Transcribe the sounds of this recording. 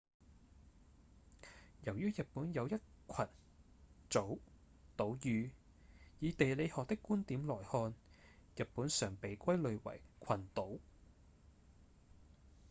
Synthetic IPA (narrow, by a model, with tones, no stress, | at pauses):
jɐ˨˩wjyː˥jɐ˨t̚puː˨˥njɐ˨˧wjɐ˥t̚kʷʰɐ˨˩n | t͡so˨˥w | t̪o˨˥wjyː˨˧ | jiː˨˧t̪e˨jle˨˧jhɔː˨k̚t̪ɪ˥kːuː˥nt̪iː˨˥mlɔː˨˩jhɔː˧njɐ˨˩t̚puː˨˥nsœː˨˩ŋpe˨jkʷɐ˥jlɵ˨˧ɥwɐ̰˨˩jkʷʰɐ˨˩nt̪o˨˥w